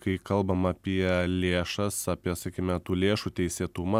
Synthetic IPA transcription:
kɐɪkɐlˠbɐmɐpʲiɛlʲeːʃɐssɐpʲiɛsɐkʲimʲɛt̪uːlʲeːʃut̪ʲɛɪsʲeːt̪ʊmɐ

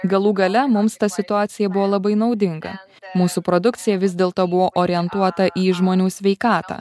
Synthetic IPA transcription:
ɡɐlˠuːɡɐlʲɛmʊmst̪ɐsʲɪt̪ʊɑːt̪sʲɪjɛbʊʋoːlˠɐbɐɪnɒʊd̪ʲɪŋɡɐ̰ | muːsupɾod̪ʊkt̪sʲɪjɛʋʲɪzʲd̪ʲeːlˠt̪oːbʊʋoːʔoːɾʲɪjɛnt̪uɔt̪ɐʔiːʒmoːnʲuːsʲʋʲɛɪkɑːt̪ɑ̰ː

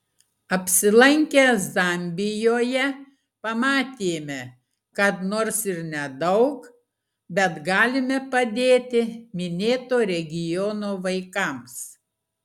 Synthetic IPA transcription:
ɐpʲsʲɪlˠɐŋʲkʲɛzɑmʲbʲɪjoːjɛ | pɐmɑːt̪ʲeːmʲɛ | kɐt̪noːɾsɪɾnʲɛd̪ɐʊk | bʲɛt̪ɡɑːlʲɪmʲɛpɐd̪ʲeːt̪ʲɪmʲɪnʲeːt̪oːɾʲɛɡʲɪjɔnoːʋɐɪkɐms

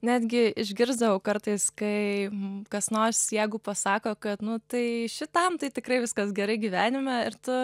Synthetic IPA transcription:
nʲæːd̪ʲɡʲɪɪʒʲɡʲɪɾzd̪ɐʋɐʊkɐɾt̪ɐɪskɐɪkɐsnoːsjæɪɡʊpɐsɑːkoːkɐt̪nʊt̪ɐɪʃʲɪt̪ɐmt̪ɐɪt̪ʲɪkɾɐɪʋʲɪskɐsɡʲɛɾɐɪɡʲiʋʲæːnʲɪmʲɛɪɾt̪ʊ

